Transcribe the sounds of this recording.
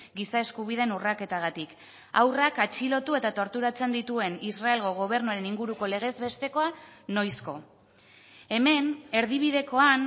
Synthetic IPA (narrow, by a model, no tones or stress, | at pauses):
ɡisae̞skuβ̞iðe̞nurake̞t̪aɣ̞at̪ik | a̰wrakat͡ʃilo̞t̪ue̞t̪at̪o̞ɾt̪uɾat͡se̞nd̪it̪ue̞nisrae̞lɣo̞ɣ̞o̞β̞e̞ɾnuaɾe̞niŋɡuɾuko̞le̞ɣ̞e̞zβe̞st̪e̞ko̞ano̞jsko̞̰ | e̞me̞ne̞ɾðiβ̞iðe̞ko̞an